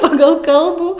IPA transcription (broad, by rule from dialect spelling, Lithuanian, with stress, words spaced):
ˈpɑːɡɐlˠ ˈkɐlˠbuː